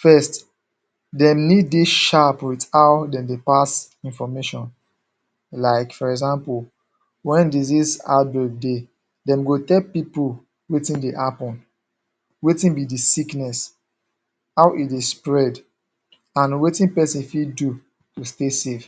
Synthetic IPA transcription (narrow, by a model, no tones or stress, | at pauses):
fɛst | dɛ̃mniddeʃapwitawdɛ̃mdepas | ĩnfɔmeʃɔ̃n | laɪkfɔɹɛɡzãmpul | wɛ̃ndizisa̰bɛd̚de | dɛ̃mɡotɛlpipo | wetĩndeʔapɔ̃n | wetĩnbidisiknɛs | awʔidespɹɛd | ãnwetĩnpɛsĩnfidu | tustesef